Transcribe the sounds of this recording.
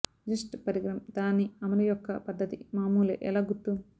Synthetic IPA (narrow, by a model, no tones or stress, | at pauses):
d͡ʒisʈpɐɾiɡɾɐmd̪aːnːiɐmɐlujɔkːɐpɐd̪ːɐt̪ḭmaːmuːlḛʔɛlɐɡut̪ːu